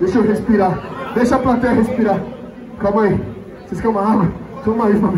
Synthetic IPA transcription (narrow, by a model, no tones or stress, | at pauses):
d̪eʃoɦespiɾad̪eʃɐaplat̪ɛɐɦespiɾa | kamɐi | seskẽũmɐaɡwɐsõmaifɐ̃m